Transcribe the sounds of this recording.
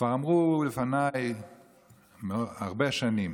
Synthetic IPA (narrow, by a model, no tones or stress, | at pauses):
kv̥aʁamʁulefanaj | meoaʁbeʃanim